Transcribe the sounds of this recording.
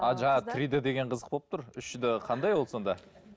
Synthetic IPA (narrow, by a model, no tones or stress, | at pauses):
ɑʒɑɴɑt̪ʰɾid̪ɪd̪e̞ɡʲe̞ɴqʰəzə̥q̚bop̚t̪ʊɾʏʃɪd̪ɪqʰɑnd̪ɑjwo̞lˠsond̪ɑ